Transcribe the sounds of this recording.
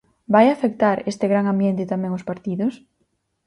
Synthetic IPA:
bajafek̚t̪aɾest̪ɪɣɾaŋambjent̪ɪt̪amɛ̃ŋʊspaɾt̪iðʊs

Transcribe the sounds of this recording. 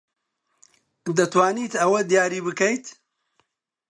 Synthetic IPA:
d̪ɐt̪waːniːt̪ɐwɐd̪jaːɾiːbɨkɐjt̪

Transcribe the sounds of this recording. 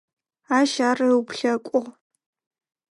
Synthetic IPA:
aːʃaːrɐwpʰɬɐkʷʼʊʁ

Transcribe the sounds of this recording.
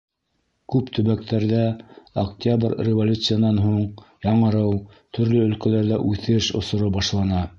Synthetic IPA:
kʉpt̪ʰɵ̆βæk̚t̪ʰæɾðæokt̪ʲabrrʲɪvolʲut̪sɨjanɑnɦuɴjɑɴɤ̆ɾɤw | t̪ʰɵ̆ɾlɵɵ̆lkælæɾðæʔʉθɘʃŏ̰sŏɾɤbɑʃlˠɑnɑ

